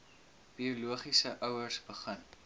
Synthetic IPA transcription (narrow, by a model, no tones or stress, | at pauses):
b̥iuluəχisəʔœwərsbəχən